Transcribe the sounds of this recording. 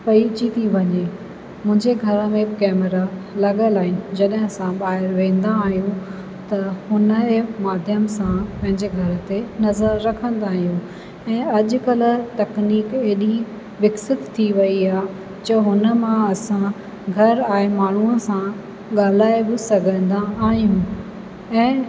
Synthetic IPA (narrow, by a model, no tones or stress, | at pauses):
pɐit͡ɕit̪ʰiʋɐɲe | mʊ̃ɦɪ̃ɲd͡ʑeɡʱɐɾəmẽkɛːməɾalɐɠəlaːɦɪnɪd͡ʑɐɗɦɪ̃ɐsãɓaːɦɪɾʋẽːn̆d̪aːɦijũ | t̪ɐhʊnəɦmaːd̪ʱjəmsãpɐ̃ɦɪ̃ɲd͡ʑeɡʱɐɾə̆t̪enɐzəɾːɐkʰə̃nd̪aːɦijũ | ɛ̃ːɐʄʊ̆kɐl̆t̪ɐkniːkeːɗi | ʋɪksɪt̪t̪ʰːiʋɐiaː | d͡ʑɐɦʊnə̆mãɐsã | ɡʱɐɾaːemaːɳ̤uəsã | ɠaːl̤aːebɪsɐɡʱə̃nd̪aaːɦijũ | ɛ̃ː